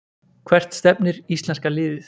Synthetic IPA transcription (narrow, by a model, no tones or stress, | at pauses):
kʰvɛr̥t̪st̪ɛpnɪɾist̪lɛnskalɪːðɪθ